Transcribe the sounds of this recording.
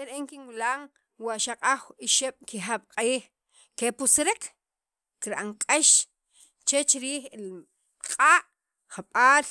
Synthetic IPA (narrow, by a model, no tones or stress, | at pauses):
eɾeʔeŋkinwilaːŋ | waʔʃaqʼaχiʃeɓ̥kiχaɓ̥qʼiːχ | kepusɾekʰ | kiɾʔaŋkʼeʃ | t͡ʃet͡ʃiɾiːχil | qʼaːʔ | χaɓaːl